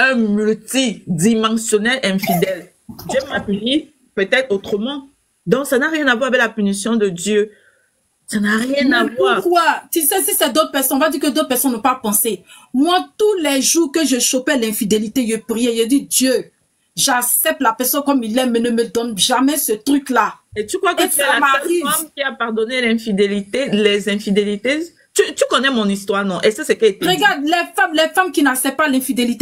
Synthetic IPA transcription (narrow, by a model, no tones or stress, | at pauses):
ɛ̃mylt̪id̪imɑ̃sjonɛlʔɛ̃fid̪ɛl | d̪jømapyni | pøt̪ɛt̪χot̪χəmɑ̃ | d̪ɔ̃ksanaʁjɛ̃navwaʁavɛklapynisjɔ̃d̪əd̪jø | sanaʁjɛ̃navwaːkwaʁt̪ysɛsisɛd̪ot̪̚pɛʁsɔ̃nɔ̃vad̪iːkəd̪ot̪̚pɛʁsɔnːɔ̃papɑ̃se | mwat̪ulɛʒuʁkəʒəʃopɛlɛ̃fid̪elit̪eʒəpʁijeʒɛd̪id̪jø | ʒaksɛp̚t̪lapɛʁsɔ̃nkɔmilɛmːɛnəməd̪ɔnʒamɛsət̪ʁyklaet̪ykχwakamaivamkʲiapaʁd̪ɔnelɛ̃fid̪elit̪elɛzɛ̃fid̪elit̪e | t̪yt̪ykɔnɛmɔ̃nist̪waʁnɔ̃ʔɛsasɛkt̪ʁəɡaʁd̪̚lɛfamlɛfamkinaksɛpt̪̚palɛ̃fid̪elit̪e